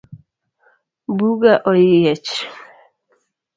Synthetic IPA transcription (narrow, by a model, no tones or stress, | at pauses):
buɡaʔolijɛt͡ʃ